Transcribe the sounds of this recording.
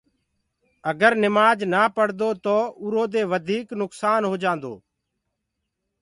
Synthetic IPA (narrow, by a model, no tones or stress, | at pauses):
əɡəɾnɪmaːd͡ʒnaːpəɽd̪oːt̪oːʊɾoːd̪eːʋəd̪ʱiːknʊksaːnɦoːd͡ʒãːnd̪o̰ː